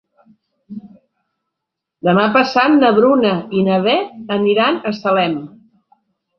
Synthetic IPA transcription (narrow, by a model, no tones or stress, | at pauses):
d̪əmapəsat̪nəβɾunəinəβɛəniɾanəsəlɛm